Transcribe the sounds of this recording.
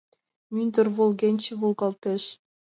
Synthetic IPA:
mʲynʲd̪ʲɘ̆rvolˠɡʲenʲt͡ɕɘ̆vulˠɡɑlˠt̪ʲĕɕ

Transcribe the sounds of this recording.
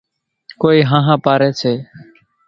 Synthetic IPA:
koːiːɦãːɦãːpaːɾeːt͡ʃʰeː

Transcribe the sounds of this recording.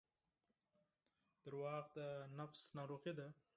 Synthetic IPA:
d̪əɾwɑːqd̪ənafsnaɾuqid̪a

